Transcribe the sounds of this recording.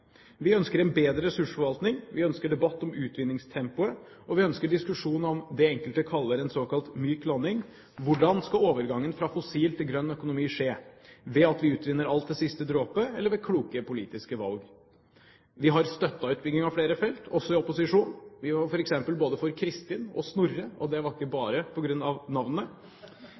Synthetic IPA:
ʋɪœnskəɾɛnbeːd̪ɾəɾɛsʉʂfɔɾʋɑlt̪nɪŋʋɪœnskəɖɛbɑt̪ːɔmʉːt̪ʰʋɪnːɪŋst̪ʰɛmpʊə | ɔʋɪœnskəɖɪskʉʂuːnəɔmd̪ɛɛŋkəlt̪əkʰɑlːəɾɛnsoːkɑlt̪myːklɑnːɪŋ | ʋʊɖɑnskɑoːʋəɾɡɑŋːənfɾɑfɔsiːlt̪ʰɪlɡɾœnːœkʊnʊmiːʂeːʋɛɑt̪ʋɪʉːt̪ʋɪnːəɾɑlt̪̚d̪ɛsɪst̪əd̪ɾoːpəɛlːəɾʋɛkʰɽuːkəpʰʊliːt̪ɪskəʋɑ̰lɡ | ʋɪɦɑɾst̪œt̪ːɑʉːt̪̚bʏɡnɪŋɑʋfɽeːɾəfɛlt̪ʰɔsːɔɪɔpʊsɪʂuːnʋɪɑfɔɾɛksɛmpəlboːd̪əfɔɾkʰɾɪst̪ɪːnɔ̰snʊɾːəɔ̰d̪ɛʋɑɾɪkːəbɑːɾəpʰɔɡɾʉnːɑʋnɑʋnənə

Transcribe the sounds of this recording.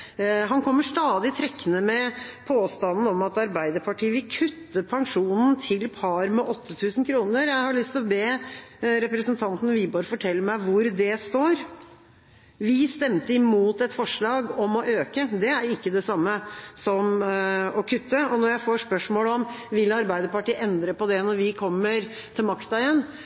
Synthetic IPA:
ɦɑnkʰɔmːəʂt̪ɑːd̪ɪt̪ʰɾɛkːənəmɛpʰoːst̪ɑnn̩ɔmɑt̪ɑɾbæɪd̪əɾpʰɑʈʰiːəʋɪlkʰʉt̪ːəpʰɑŋʂuːnn̩t̪ʰɪlpʰɑɾmɛʔɔt̪ʰːət̪ʰʉːsn̩kʰɾuːnəɾjæɪhɑɭʏst̪ɔbeːɾɛpɾəsənt̪ʰɑnt̪n̩ʋɪbøːɾfɔʈʰɛlːəmæɪʋʊɾd̪ɛst̪oːɾ | ʋɪst̪ɛmt̪əɪmuːt̪ɛt̪fɔʂɭɑːɡɔmɔʔøːkəd̪ɛæɾɪkːəd̪ɛsɑmːəsɔmɔkʰʉt̪ːəɔnɔɾjæɪfoːʂpœʂmoːlɔmʋɪlɑɾbæɪd̪əɾpɑʈiːʔɛnd̪ɾəpɔd̪ɛnɔɾʋɪkʰɔmːəɾ | t̪ʰɪlmɑkt̪ɑɪjɛnː

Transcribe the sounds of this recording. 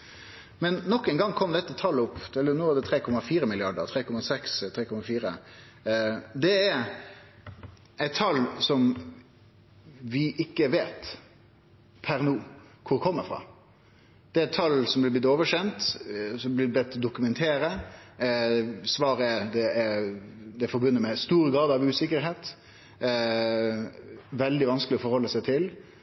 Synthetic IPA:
mɛnːɔkːɛɪŋɡɑŋːkʰɔmd̪ɛt̪ːət̪ʰɑlːəʊpːt̪ʰɛlːənoːʋæd̪ɛt̪ʰɾeːkʰɔmːɑfiːɾəmɪlɪɑɖə̰ɾt̪ʰɾeːkʰɔmːɑsɛkst̪ʰɾeːkʰɔmɑfiːɾə | d̪ɛæɾ | æɪt̪ʰːɑlsɔm | ʋɪʔɪkːəʋeːt̪ | pʰæɾnuːkʰʊɾkʰɔmːəfɾɑ̰ː | d̪̥ɛæɾɪt̪ʰːɑlsɔmblɪb̪ɪt̪ːoːʋəʂɛnt̪sɔmblɪblɛt̪ːd̪ʊkʉmɛnt̪ʰeːɾə | sʋɑːɾəɛd̪ɛæɾd̪ɛæɾfɔɾbʉnːəmɛst̪uːɾəɡɾɑːd̪ɑʋʉːsɪkːəɾɦeːt̪ | ʋɛld̪ɪʋɑnsklɪɔfɔɾhɔlːəsæɪt̪ʰɪl

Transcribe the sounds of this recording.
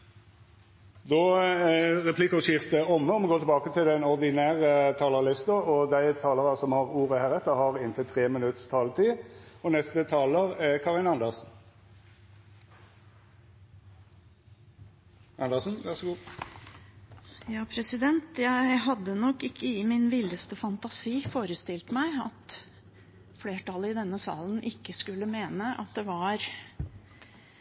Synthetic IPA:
d̪ɔːæʁɛpʰliːkʊʃɪft̪əɔmːəɔmɔɡoːt̪ʰɛbɑːkət̪ʰɪlɛnɔʁd̪ɪnæːʁət̪ʰɑːləlɪst̪ɑɔd̪æɪt̪ʰɑːləʁɑsɔmhɑʁuːʁəhæːʁɛt̪ːəʁhɑʁɪnt̪ʰɪlt̪ʰʁeːmɪnʉt̪st̪ʰɑːlt̪ʰiːɔnɛst̪ət̪ʰɑːləʁækʰɑʁɪnɑnd̪əʁsn̩ | ɑnd̪əʁsn̩ʋæʁsɡu | jɑːpʰɾɛsɪd̪ɛnt̪jæɪɦɑd̪ːənɔkːɪkːəɪmɪnʋɪlːəst̪əfɑnt̪ɑsiːfoːɾəst̪ɪlt̪mæɪɑ̰t̪ | fleːʈɑləɪd̪ɛnːəsɑ̰ːln̩ʔɪkːəskʉlːəmeːnəʔɑ̰t̪̚d̪ɛʋɑɾ

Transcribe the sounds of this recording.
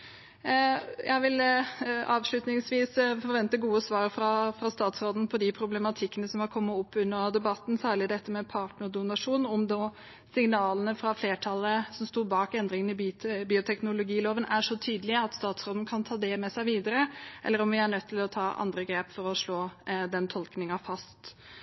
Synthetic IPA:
jæ̰ɪʋɪl | ɑːʋʂlʉt̪nɪŋsʋiːsfɔɾʋɛnt̪əɡuːəsʋɑːɾfɾɑfɾɑst̪ɑːt̪sɾoːd̪n̩pʰɔd̪ɪpʰɾʊblɛmɑt̪ʰɪkːənəsɔmhɑɾkʰɔmːəʊpːʉnːəd̪ɛbɑt̪ːn̩sæːɭɪd̪ɛt̪ːəmɛpʰɑʈɳəd̪ʊnɑʂuːnɔmd̪ɔ | sɪŋnɑːlənəfɾɑfleːʈʰɑlːəsɔmst̪uːbɑːkɛnd̪ɾɪŋənɪbiːʊt̪ʰɛknʊlʊɡiːloːʋənʔæʂɔt̪ʰyːd̪əlɪəɑt̪st̪ɑːt̪sɾoːd̪n̩kʰɑnt̪ʰɑːd̪ɛmɛsæɪʋiːd̪əɾəʔɛ̰lːəɾɔmʋɪæɳœt̪ʰːɪlɔt̪ʰɑːʔɑ̰nd̪ɾəɡɾeːpfɔɾɔʂɭoːd̪ɛnt̪ʰɔlknɪŋɑfɑst̪

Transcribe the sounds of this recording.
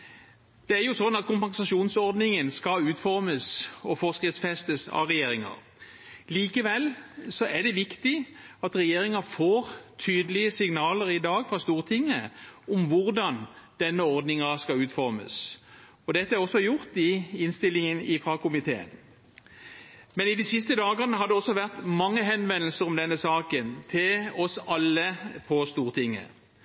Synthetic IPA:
d̪̥ɛæɾjʊsɔnːɑt̪̚kʰʊmpɑnsɑʃuːnsɔʁd̪nɪŋənskɑʉːt̪fɔɾməsɔfɔskɾɪt̪sfɛst̪əsɑ̰ʁɛjeːɾɪŋɑ̰ɾ | liːkəʋɛlːsɔʔæʁd̪ɛʋɪkt̪ɪ | ɑt̪ɾɛjeːɾɪŋɑfoːɾt̪ʰyːd̪əlɪəsɪŋnɑːləɾɪd̪ɑːɡfɾɑst̪uːʁt̪ʰɪŋːəʊmʋʊɾd̪ɑnd̪̥ɛnːəɔʁd̪nɪŋɑskɑʉːt̪fɔɾmə̰s | ɔd̪ɛt̪ːəæɾɔsːɔjʊʁt̪ɪɪnst̪ɪlːɪŋənɪfʁɑkʊmɪt̪ʰḛːə̰n | mɛnɪd̪isɪst̪əd̪ɑːɡəʁnəɦɑd̪ɛɔsːɔʋæʁt̪mɑŋːəɦɛnʋɛnːəl̩səɾɔmd̪ɛnːəsɑːkənt̪ʰɪlɔsɑlːəpʰɔst̪uːʁt̪ʰɪŋːə̰

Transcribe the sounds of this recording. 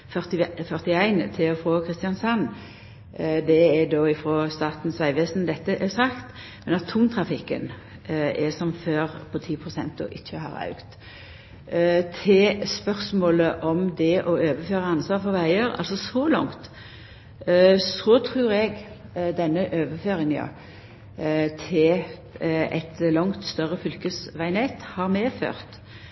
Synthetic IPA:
fœʁt̪ɪfœʁt̪ɪæɪnt̪ʰɪlɔfɾoːkʰɾɪst̪ɪjɑnsɑn | d̪ɛɛd̪oːɪfɾoːst̪ɑːt̪n̩sʋæɪʋeːsn̩d̪ɛt̪ːəʔɛsɑkt̪ | mɛnɑt̪ʰuːmt̪ʰɾɑfɪkːə̰n | ɛsɔmføːɾpʰɔt̪ʰiːpʰʁʊsɛ̰nt̪ʊ̰ʔɪçːəhɑ̰ːɾɑ̰ʉkt̪ | t̪ʰɪspœʁsmoːləʔɔmd̪ɛʔɔøːʋəføːʁəɑnsʋɑːʁfɔɾʋæɪəɾɑ̰lsɔsɔlɑ̰ŋt̪ | sɔt̪ʰɾʉːɾɛɡ | d̪ɛnːəʔøːʋəføːɾɪŋjɑ̰ | t̪ʰɪl | ʔɛ̰t̪lɔŋt̪st̪œʁəfʏlkəsʋæɪnet̪hɑɾmeːfø̰ːʁt̪

